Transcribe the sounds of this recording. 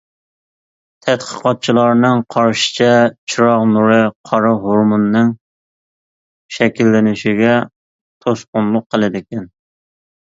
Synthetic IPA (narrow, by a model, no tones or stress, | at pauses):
t̪ʰɛt̪qʰə̥qɑt̪̚t͡ʃʰilˠɑɾnɨŋqʰɑɾʃɪ̥t͡ʃʰɛt͡ʃʰiɾɑʁnuɾɨqʰɑɾɑɦoɾmunːɨŋ | ʃɛkʲilːɪnɪʃɪɡʲɛ | t̪ʰoʃqʊnlˠʊqʰːəlˠɨd̪ɪkʲɛn